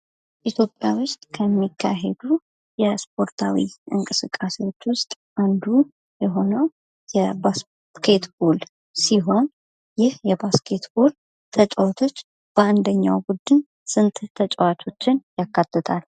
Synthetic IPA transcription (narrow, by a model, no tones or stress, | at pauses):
ʔit̪ʰjo̞pʼjawʊst̪ʼkʰəmːikʰːaɦed̪u | jɛspʰo̞ɾt̪ʰawḭʔɨ̰ŋkʼɨsɨkʼːasewo̞t͡ʃːwʊst̪ʼ | ʔand̪u | jɛɦo̞nəw | jɛbas | kʰe̞t̪bol | siɦo̞n | jɪhjɛbaskʰe̞t̪bo̞l | t̪ʰət͡ʃʼəwat̪ʰo̞t͡ʃː | b̥əand̪əɲːa̰wbud̪ːɨn | sɨnt̪ʼt̪ʰət͡ʃʼəwat̪ʰo̞t͡ʃːɪnjakːat̪ʰːət̪ʰal